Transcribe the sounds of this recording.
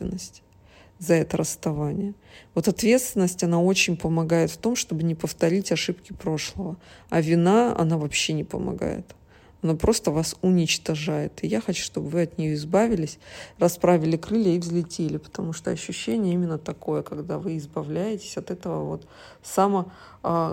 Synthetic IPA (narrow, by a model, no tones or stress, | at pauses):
vʲɪnːəsʲtʲ | zɐɛt̪əɾəst̪ɐvanʲɪjəvo̞t̪ɐt̪vʲe̞t̪st̪vʲɪnːəsʲtʲɐnao̞t͡ɕɪnʲpəmɐɡajɪt̪ft̪o̞mʂt̪o̞bɨnʲɪpəft̪ɐɾʲitʲɐʂɨpkʲɪpɾo̞ʂlˠəvəɐvʲɪnaɐ̰navɐpɕːe̞nʲɪpə̰mɐ̰ɡa̰jɪ̰t̪ | ɐnapɾo̞st̪əvasʊnʲɪt͡ɕt̪ɐʐajɪt̪ɨjaxɐt͡ɕu̥ʂt̪o̞bvɨɐt̪nʲɪjo̞ɪzbavʲɪlʲɪsʲrɐspɾavʲɪlʲɪkɾɨlʲəivzlʲɪtʲelʲɪpə̥t̪ɐmuʂt̪oɐɕːʉɕːenʲɪjəimʲɪnːət̪ɐkojəkɐɡd̪avɨɪzbɐvlʲæjɪtʲɪ̥sʲɐt̪ɛt̪əvəvo̞̰t̪ | samə